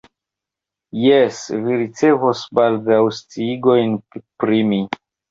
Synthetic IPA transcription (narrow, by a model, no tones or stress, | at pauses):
jesviɾit͡se̞vosbaldawst͡siiɡo̞jnpɾimi